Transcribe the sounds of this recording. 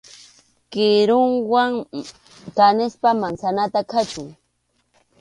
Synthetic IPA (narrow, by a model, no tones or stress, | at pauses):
kɪɾʊŋwaŋ | kanɪspamansanat̪akʰat͡ʃʊŋ